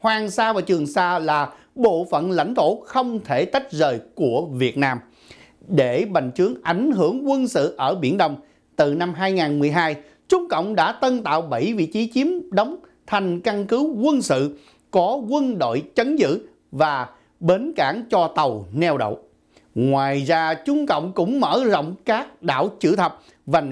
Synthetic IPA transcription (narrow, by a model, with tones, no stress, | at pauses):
hwaː˨˩ŋsaː˧vaː˨˩t͡ɕɨ˨˩əŋsaː˧laː˨˩ | ɓo̰˧˨fə̰˧˨nla̰˧˥jŋ̟t̪ʰo̰˧˥xə˧wŋ͡mt̪ʰe˧˩t̪a˦˥k̟̚zəː˨˩jku˧˩əvi˨˩ət̚naː˧m | ɗe˧˩ɓa˨˩˨jŋ̟t͡ɕɨ˨˦əŋʔa˧˩jŋ̟ɦɨ˧˩əŋkwə˧nsɨ̰˧˨ʔəː˧˩ɓḭ˧˩˥ənɗə˧wŋ͡m | t̪ɨ˨˩na˧mɦaː˧jŋaː˨˩nmɨ˨˩əjɦaː˧j | t͡ɕʊ˨˦ŋ͡mkə̰˧˨wŋ͡mɗa̰ː˧˥t̪ə˧nt̪a̰ː˧˨wɓə˧˩jvḭ˧˨t͡ɕi˨˦t͡ɕi˨˦əmɗə˨˦wŋ͡mt̪ʰa˨˧˩jŋ̟ka˧nkɨ˨˦wkwə˧nsɨ̰˧˨ | kɔ˨˦kwə˧nɗo̰˧˨jt͡ɕə˨˦nzɨ̰˧˨ | vaː˨˩ | ɓe˨˦nkaː˧˥ŋt͡ɕɔ˧t̪ə˨˩wnɛ˧wɗo̰˧˨w | ŋwaː˨˩jzaː˧t͡ɕʊ˧ŋ͡mkə̰˧˨wŋ͡mkʊ̰˧˥ŋ͡mməː˧˥zə̰˧˨wŋ͡mkaː˦˥k̚ɗa̰ː˧˩˨wt͡ɕɨ̰˧˥t̪ʰə˨˩wk͡p̚ | va˨˩n